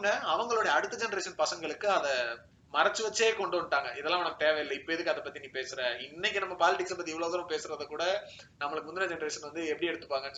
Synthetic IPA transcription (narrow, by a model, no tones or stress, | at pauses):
ɐɐʋɐŋɡɐɭoːɽɐɐːɐɽɯt̪ːɯd͡ʒɛnɐɾeːʂɐnpɐsɐŋɡɐɭɯkːɯɐðɐ | mɐɾɐt͡ʃːɯʋɐt͡ʃːeːkɔɳɖɯʋɐɳʈaːŋɡɐʔɪðɛlːãːʋɛnɐkːɯt̪eːʋɛjɪlːɐɪpːoːjɛðɯkːɯɐðɐpːɐt̪ːiniːpeːsɯɾɛ̃ɪnːɛk̬ʲːɯnɐmːɐpaːlɪʈɪksɐpɐt̪ːiɛʋɭoːɣɐɾɐ̃mpeːsɯɾɐðɐkːuːɽɐ | nɐmːɐɭɯkːɯmʊnd̪ɪnɐd͡ʒɛnɐɾeːʂɐnʋɐnd̪ɯɛpːɐɽiɛɽɯt̪ːɯ̥pːaːŋɡɐnː